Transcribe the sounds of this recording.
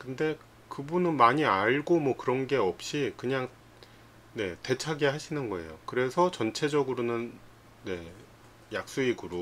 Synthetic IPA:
kɯnde̞ | kɯbunɯnmaɲiaɭɡomwʌkɯɾʌnɡe̞ʌp̚ɕ͈ikɯɲaŋ | ne̞te̞t͡ɕʰaɡiɦaɕʰinɯnɡʌe̞̰jokɯɾe̞sʰʌt͡ɕʌnt͡ɕʰe̞d͡ʑʌɡɯɾonɯnː | e̞ | jak̚s͈uiɡɯɾo

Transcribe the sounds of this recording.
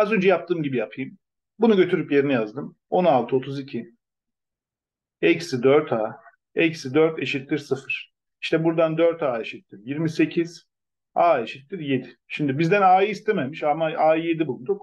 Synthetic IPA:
azø̞nd͡ʒɛjap̚t̪ʰɯːmɟibijapʰɯjm | bunuɟø̞t̪ʰyɾypje̞ɾinijazd̪ɯm | o̞nalˠt̪ʰɯo̞t̪ʰuzicʰi | ecsid̪øɾt̪ʰaː | ecsid̪øɾt̪ʰe̞ʃit̪lːʲiɾsɯfɯɾ̥ | iʃt̪ʰɛbuɾd̪and̪øɾt̪ʰaːe̞ʃit̪liɾjiɾmise̞cʰiz̥ | aːe̞ʃit̪ːiɾje̞d̪ɪʃimd̪ibizd̪ænaːjɯist̪ʰememiʃamaaːje̞d̪ibulˠd̪uk

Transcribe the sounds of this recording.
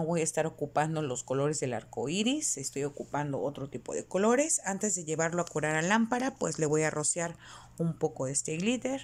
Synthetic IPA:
oβo̞jaest̪aɾo̞kupand̪olo̞sko̞lo̞ɾezðe̞la̰ɾkoiɾisest̪ojo̞kupand̪o̰ʔot̪ɾot̪ipo̰ðḛkolo̞ɾe̞sant̪e̞zðe̞ʝe̞βaɾloakuɾaɾalampaɾapwesleβojarosjaɾ | umpo̞ko̞ðest̪eɣliðeɾ

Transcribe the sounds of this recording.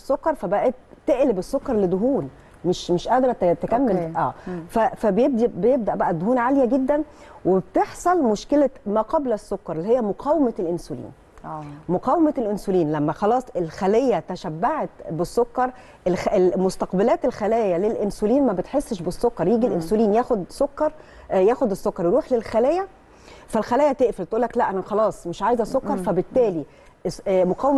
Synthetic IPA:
sˤːokːɑɾˤfæbæʔæt̪ːeʔlebesːokːɑɾˤled̪oɦuːn | meʃmeʃʔæd̪ɾˤɑt̪t̪ekæmːelʔæːfæfæbejeb̚d̪ibejeb̚d̪æʔbæʔæd̪ːohuːnʕaljæɡed̪ːæn | webt̪eħsˤɑlmoʃkelæmæːqɑblsːokːɑɾˤelːihejːæmoqʰɑːwemælʔensolḭːnː | moqɑːwemælʔensoliːnlæmːæxɑlɑːsˤelxælejːæt̪æʃæbːaʕet̪besːokːɑɾˤ | elemost̪ɑqbælæːt̪elxælæːjælelʔensoliːnmæbet̪ħesːʃbesːokːɑɾˤjiːɡilʔensoliːnjæːxod̪sokːɑɾˤ | jæːxod̪esːokːɑɾˤjeɾuːħlelxælæjæ | fælxælæːjæt̪eʔfelt̪ʔuːlːæklæʔænæxɑlɑːsˤmeʃʕaːjezʔæsˤokːɑɾˤfæbet̪ːæːli | moqæːw

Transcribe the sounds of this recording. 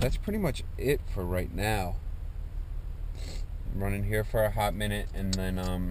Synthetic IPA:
ðætspʰɹ̥ɪɾimʌt͡ʃɪtfə˞ɹaɪtⁿnaʊ | mɹʌ̃nɪ̃ŋɦiɹfə˞ɨɦævmɪ̃nɨɾɨ̃nãɪ̃nʌ̃m

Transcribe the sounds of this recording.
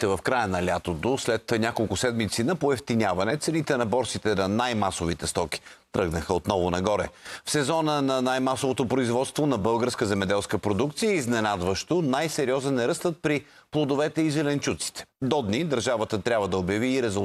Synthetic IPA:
t̪ɛvɐfkɾajənɐlʲat̪ot̪oslɛt̪nʲakolˠkʊsɛd̪mit̪sinɐpoɛft̪inʲavɐnɛt̪sɛnit̪ɛnɐbɔɾtsit̪ɛnɐnajmasovit̪ɛst̪ɔkʲi̥t̪ɾɤɡnəxəot̪nɔvʊnɐɡɔɾɛ̰fsɛzɔnənɐnajmasovot̪opɾoizvɔt̪st̪vonɐbɤlˠɡəɾskəzɛmɛd̪ɛlˠskəpɾod̪ukt̪sijəiznɛnad̪vəʃt̪onajsɛɾiɔzənnːɛɾɤst̪ət̪̚pɾi | plˠod̪ovɛt̪ɛizɛlɛnt͡ʃut̪si̥t̪ɛ̥d̪ɔd̪nid̪ɐɾʒavət̪ət̪ɾʲabvəd̪ɐobjɐviːɾɛzu

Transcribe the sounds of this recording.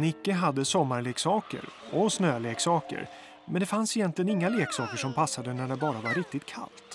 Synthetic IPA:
nɪkːəɦad̪ːəsɔmːaɾɭeːksɑːkə̰ɾɔsnøːleːksɑːkə̰ɾ | mɛnd̪ɛfansɪjɛnt̪lɪənɪŋːaleːksɑːkəʂɔmpʰasːad̪ənæɖɛbɑːɾavaɾɪk̚t̪ɪt̪̚kʰa̰lt̪

